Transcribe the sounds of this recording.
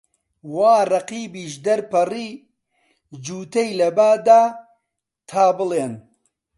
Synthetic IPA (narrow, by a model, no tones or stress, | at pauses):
waːrˤɐqiːbiːʃd̪ɐɾpɐriː | d͡ʒuːt̪ɐjlɐbaːd̪aː | t̪ʰaːbɨleːn